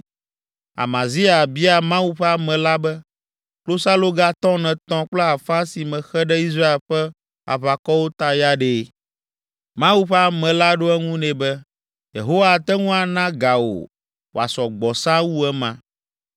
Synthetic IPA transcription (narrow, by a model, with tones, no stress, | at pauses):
a̰˨mã˨zi˦a˨bi˦a˨mã˦wu˦ɸɛ˦a˨mɛ̃˨la˦bɛ˦ | klo˦sa˦lo˦ɡa˦t̪ɔ̃˦nɛ̃˨t̪ɔ̃˦k͡plɛ˦a˨fã˦si˨mɛ̃˨xɛ˦ɖɛ˦i˦s̬ɾa˦e˨lɸɛ˦ | a̰˨βa˨kɔ˦wo˦t̪a˦ja˦ɖe˨˦˨ | mã˦wu˦ɸɛ˦a˨mɛ̃˨la˦ɖo˦ɛ˦ŋũ˦nɛ̃˨bɛ˦ | jḛ˨ɦo˦wa˦t̪ɛ˦ŋũ˦a˨nã˦ɡa˨wo̰˨ | wo˨a̰˨sɔ˨ɡ͡bɔ˨sã˦wu˦ɛ˦mã̰˨